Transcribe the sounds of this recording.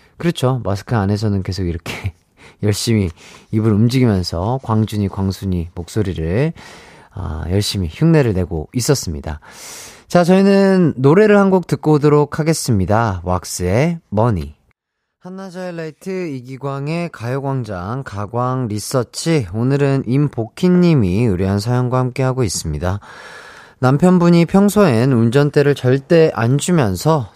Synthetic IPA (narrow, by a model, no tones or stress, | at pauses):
kɯɾʌt͡ɕʰomas̬ʰɯ̥kʰɯane̞s̬ʰʌnɯnke̞sʰoɡiɾʌkʰe̞ | jʌɭɕ͈imiibɯɾumd͡ʑiɡimjʌnsʰʌkwaŋd͡ʑuɲikwaŋsʰuɲimok̚s͈oɾiɾɯɭ | a̰jʌɭɕ͈imiçuŋne̞ɾɯɭne̞ɡo̰is͈ʌs͈ɯmɲid̥a̰ | t͡ɕat͡ɕʌinɯnːoɾe̞ɾɯɭhanɡok̚tɯk̚k͈odoɾokʰaɡe̞s͈ɯmɲidawak̚s͈ɯe̞mʌɲḭ | hanːad͡ʑaeɭːaitʰɯiɡiɡwaŋe̞kajoɡwaŋd͡ʑaŋkaɡwaŋɾis͈ʌt͡ɕʰionɯɾɯnʔimpokʰinːimiɯɾjiɦansʰajoŋɡwahamk͈e̞ɦaɡois͈ɯmɲida | nampʰjʌnbuɲipʰjʌŋsʰoe̞nund͡ʑʌnt͈e̞ɾɯɭt͡ɕʌɭt͈e̞ʔand͡ʑumjʌnsʰʌ